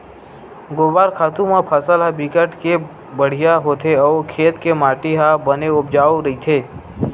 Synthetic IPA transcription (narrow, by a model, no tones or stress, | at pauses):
ɡoːbaːɾkʰaːt̪ũmãpʰəsəlɦabikəʈke | bəɽ̤ijaɦot̪ʰeɔːɾkʰeːt̪kemaːʈiɦabəneʊp̚d͡ʒaːoɾəit̪ʰeː